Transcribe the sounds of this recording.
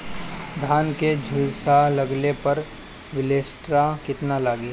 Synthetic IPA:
d̪ʱaːnked͡ʒʱɪlsalɐɡnepɐɾ | ʋɪleːsʈɾakɪt̪nalaːɡi

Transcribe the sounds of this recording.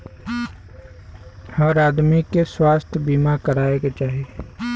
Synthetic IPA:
ɔːɾaːd̪mikeswaːst̪ʰbiːmakəɾaːeɡat͡ʃaːɦie

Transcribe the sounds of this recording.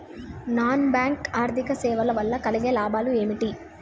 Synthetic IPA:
naːnbjaːŋkaːɾt̪ʰikɐsɛːʋɐlɐʋɐlːɐkɐliɡeːlaːbaːlueːmiʈi

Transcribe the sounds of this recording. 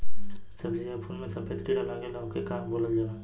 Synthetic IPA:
səbd͡ʒiapʰonmesəbʰet̪kiɽalaɡelaũkekaboləld͡ʒa

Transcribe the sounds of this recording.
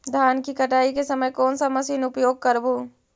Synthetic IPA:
d̪ʱaːnkikɐʈaːikesɐməjkɔːnsamɐsiːnʊpjoːɡ̚kɐɾboː

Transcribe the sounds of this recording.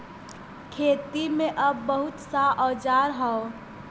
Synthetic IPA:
kʰet̪imẽʔəbːəɦʊt̪saʔɔd͡ʒaɾɦɔo

